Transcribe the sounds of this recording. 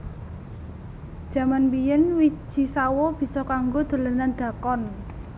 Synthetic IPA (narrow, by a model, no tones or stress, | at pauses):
d̥ʒ̥a̤manpijənwi̥ʒ̥i̤sawɔb̥i̤sɔkaŋɡod̪̥ə̤lənand̪̥ä̤kɔn